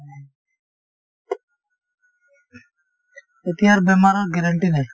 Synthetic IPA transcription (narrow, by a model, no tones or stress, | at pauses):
ɪt̪ɪjaːɾbeːmaːɾoːɡeɾəɳʈiːneː